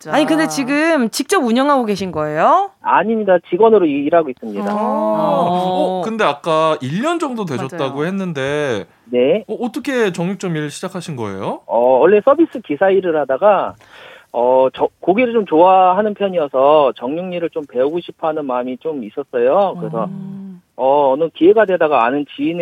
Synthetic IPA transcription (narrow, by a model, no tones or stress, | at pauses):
t͡ɕaɲikɯnde̞t͡ɕiɡɯmt͡ɕik̚t͡ɕ͈ʌbuɲʌŋɦaɡoɡe̞ɕʰinɡʌe̞joa̰ɲimɲidat͡ɕiɡwʌnɯɾoiɾɦaɡois͈ɯmɲida | ʌkɯnde̞ak͈̚aiʎːʌnd͡ʑʌŋdotwed͡ʑʌttt͈aɡohe̞nːɯnde̞ | ne̞ʌːt͈ʌkʰe̞t͡ɕʌŋuk̚t͡ɕ͈ʌmiɭɕʰid͡ʑakʰaɕʰinɡʌe̞̰joʌwʌɭːe̞s͈ʰʌbis͈ɯkisʰaiɾɯɭhadaɡa | ʌt͡ɕʌkoɡiɾɯɭt͡ɕomt͡ɕoaɦanɯnpʰjʌɲiʌsʰʌt͡ɕʌŋɲuŋɲiɾɯɭt͡ɕompe̞uɡoɕʰipʰanɯnmamit͡ɕomis͈ʌs͈ʌjokɯɾe̞sʰʌ | ʌːnɯkie̞ɡadwe̞daɡaanɯnt͡ɕiin